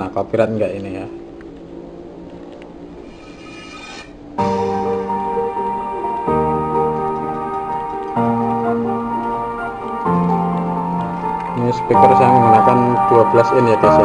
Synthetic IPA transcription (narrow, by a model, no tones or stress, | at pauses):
akapiɾat̪̚ŋɡaʔinija | nispikərsaaŋŋanakand̪̥uab̥əlasɪnjat̪isa